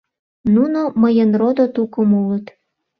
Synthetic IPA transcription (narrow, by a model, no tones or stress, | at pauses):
nunoməjənrod̪ot̪ukəmulət̪